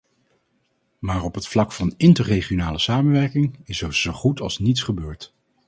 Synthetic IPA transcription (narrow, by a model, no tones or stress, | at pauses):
maːɹɔpɦətflɑkfɑnɪntəɹrejχionaːləsaːmənʋɛɹkɪŋɪsɛɹzowχutɑ̰lˠsnitsχəbøːɹt